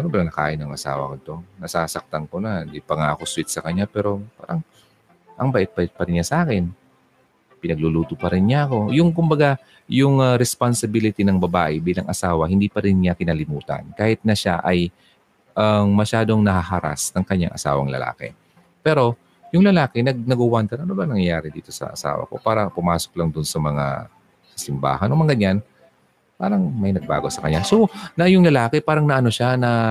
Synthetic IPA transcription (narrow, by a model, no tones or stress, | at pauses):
sɐnobɐlɐnɐka̰ːʔɪnɐŋʔɐsa̰ːwɐ̰kod̪t̪o̞nɐsaːsɐk̚t̪ɐŋkonaɪnd̪ipɐŋaʔɐko̞swɪt̪̚sɐkɐɲːapɛːɾo̞pa̰ːɾɐŋ | ʔɐŋbaʔɪt̪̚pɐɪt̪̚pɐɾɪnɲasɐʔaːkɛn | pɪnɐɡ̚luluːt̪opɐɾɪnɲaʔɐko̞jʊŋkʊmbɐɡa | jʊŋɐɾɛspansɪbilɪt̪inɐŋbɐba̰ːʔɛbiːlɐŋʔɐsaːwɐhɪnd̪iːpɐɾɪnɲakɪnaːlɪmuːt̪ɐ̰nkaːhɪt̪̚nɐʃa̰ʔɐj | ʔɐŋmɐʃaːd̪o̞ŋnɐhahaɾa̰snɐŋkɐɲa̰ŋʔɐsa̰ːwɐ̰ŋlɐ̰la̰ːkɛ̰ | pɛːɾo̞ | jʊŋlɐlaːkɪnɐɡ̚nɐɡʊwant̪ɐnʔɐnobɐŋnɐŋjaːɾɪd̪ḭːt̪o̞sɐ̰ʔɐ̰sa̰ːwɐ̰ko̞̰paːɾɐpʊmaːso̞k̚lɐŋd̪ʊnsɐmɐŋa̰ | ɐsɪmba̰ːhɐnʔomɐŋɡɐɲːan | paːɾɐŋmɐjnɐɡ̚ba̰ːɡo̞sɐkɐɲːasonɐjʊŋlɐlaːkɪpaːɾɐŋnɐʔɐno̞ʃanɐ